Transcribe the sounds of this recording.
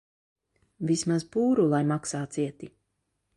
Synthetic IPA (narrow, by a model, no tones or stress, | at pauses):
vismazpuːɾulˠajmaksaːt̪siɛt̪i